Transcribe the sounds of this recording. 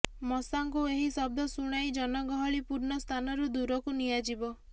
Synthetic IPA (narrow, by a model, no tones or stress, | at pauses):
mɔsaŋkueɦisɔb̚d̪ʱɔsuɽ̃ajd͡ʒɔnɔɡɔɦɔɭipuɾnɔst̪ʰanɔɾud̪uɾɔkunijad͡ʒibɔ